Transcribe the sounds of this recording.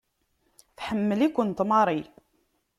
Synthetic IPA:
θħəmːəlikʷːənt̪mɑɾˤi

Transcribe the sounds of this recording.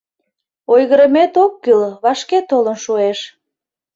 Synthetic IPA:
ojɣəɾəmet̪okːylβɑʃket̪olənʃueʃ

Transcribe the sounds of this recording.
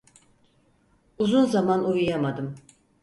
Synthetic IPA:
uzunzamanujujamad̪ɯm

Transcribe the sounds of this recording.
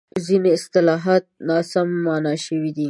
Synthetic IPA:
zineɪst̪ɪlɑɦɑt̪̚nɑsamːɑnɑʃəwid̪i

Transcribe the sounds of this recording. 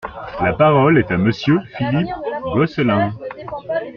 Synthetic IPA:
lapaʁɔlɛt̪aməsjøfilipɡɔslɛ̃

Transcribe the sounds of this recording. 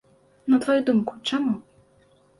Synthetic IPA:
nɐt̪vajud̪umkut͡ʂamu

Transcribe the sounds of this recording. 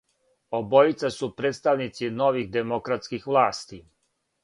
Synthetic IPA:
obojit̪sasupɾet̪st̪aʋnit̪sino̞ʋixd̪emokɾat̪skixʋlˠaːst̪i

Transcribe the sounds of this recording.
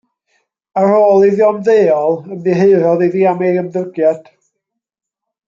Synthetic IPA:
əɾoːlˠiðjɔmðeːɔlˠəmdiɦeɨɾɔðiðiːamejəmðəɡjad̥

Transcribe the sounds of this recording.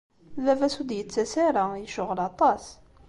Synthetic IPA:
ðævæsud̪jət͡sːæsaɾajəʃʊʁəlɑt̪ˤɑs

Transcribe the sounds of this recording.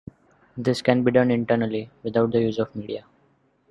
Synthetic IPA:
d̪ɪskɛ̃nbiːɖʌ̃nɪ̃ɳʈəːɾnəliʋɪd̪aʊʈ̚d̪əjuːzɔʋmiːɖia

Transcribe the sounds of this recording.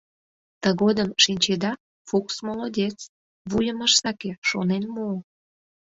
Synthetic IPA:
t̪əɣod̪əmʃinʲt͡ɕed̪ɑ | fuksmolod̪ʲet͡s | βujəməʃsɑkeʃonenmoː

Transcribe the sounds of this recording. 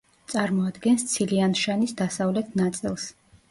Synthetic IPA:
t̪sʼaɾmɔad̪ɡɛnst̪sʰilianʃanisd̪asavlɛt̪ʰnat̪sʼilˠs

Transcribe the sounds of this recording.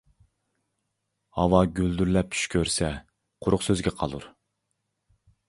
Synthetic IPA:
hɑwɑɡʲyld̪yɾlɛp̚t͡ʃʰy̥ʃkʲʰøɾsɛ | qʰʊɾʊqsøzɡʲɛqʰɑ̰lˠṵɾ

